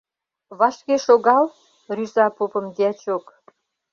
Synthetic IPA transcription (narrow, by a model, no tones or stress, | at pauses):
βɑʃkeʃoɣɑl | ryzɑpopə̆md̪eæt͡ɕok